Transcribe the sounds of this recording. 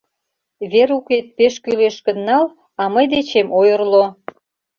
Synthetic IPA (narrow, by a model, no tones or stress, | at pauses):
βeɾuket̪̚peʃkyleʃkənːɑl | ɑməjd̪et͡ɕemʔojərlo